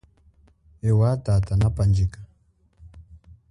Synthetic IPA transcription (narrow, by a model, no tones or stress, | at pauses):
ɛwatatanapand͡ʒikḁ